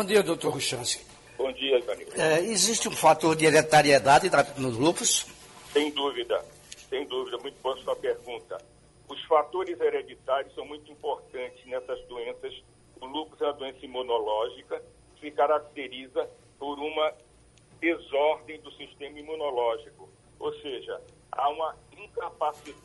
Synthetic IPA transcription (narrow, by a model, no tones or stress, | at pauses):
bõd͡ʒiɐd̪owt̪oɾɦuʃɐ̃skɪ̥ | bõd͡ʒiɐʒɐ̃nḭɛeziʃt͡ʃɪũfat̪oɾd̪ɪeɾet̪aɾied̪ad̪ɪd̪anʊzlukʊs | sẽj̃d̪uvid̪ɐ | sẽj̃d̪uvid̪ɐmũj̃t̪ʊbõsɔpeɾɡũt̪ɐ | ʊsfat̪oɾɪzeɾed͡ʒit̪aɾjʊsɐ̃w̃mũj̃t̪ʊuĩpoɾt̪ɐ̃nt͡ʃɪznɛsɐzd̪uẽsɐs | ʊlukɾʊzɛ̃mɐd̪uẽsɐimũnolɔʒikɐ | ɪsɪkaɾak̚t̪eɾizɐ | poɾũmɐ | d̪ezɔɾd̪ẽj̃d̪ʊsiʃt̪ẽmɐimũnolɔʒikʊ | owseʒɐ | a̰ũmɐĩkapasid̪